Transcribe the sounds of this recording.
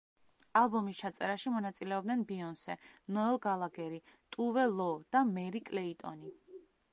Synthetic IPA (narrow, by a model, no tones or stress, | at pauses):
alˠbɔmist͡ʃʰat̪sʼɛɾaʃimɔnat̪sʼilɛɔb̚d̪nɛnbiɔnsɛnɔɛlˠɡalˠaɡɛɾit̪ʼuvɛlˠɔd̪̥amɛɾikʼlɛit̪ʼɔ̰ni